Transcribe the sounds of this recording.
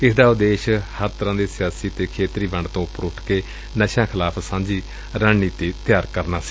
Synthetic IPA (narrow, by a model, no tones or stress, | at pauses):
ɪsd̪aːʊd̪eːʃhəɾt̪əɾãːd̪eːsɪjaːsiːt̪eːkʰeːt̪ɾiːbəɳɖt̪õːʊpːəɾʊʈʰkeː | nəʃãːkʰɪlaːpʰsãːɲd͡ʒiː | ɾaːɳniːt̪iːt̪ɪjaːɾkəɾnaːsi̥ː